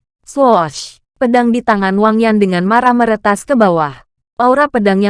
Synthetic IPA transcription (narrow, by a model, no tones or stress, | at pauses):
slɔʃ | pədaŋdit̪aŋanwaŋjandəŋanmaɾaməɾət̪askəbawah | pauɾapədaŋja